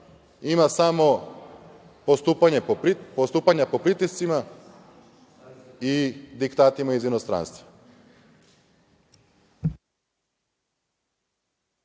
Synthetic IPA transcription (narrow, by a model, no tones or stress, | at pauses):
imasamo | post̪upaɲepost̪uːpaɲapo̞pɾit̪ist̪sima | id̪ikt̪aːt̪imaizinost̪ɾa̰nst̪ʋa